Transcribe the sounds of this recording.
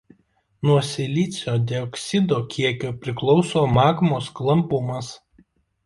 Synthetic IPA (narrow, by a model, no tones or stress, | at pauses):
nuɔsʲɪlʲiˑt̪sʲoːd̪ʲɛɔksʲɪd̪oːkʲiɛkʲoːpʲɾʲɪklˠɔʊsoːmɑːkmoːsklˠɐmpʊmɐs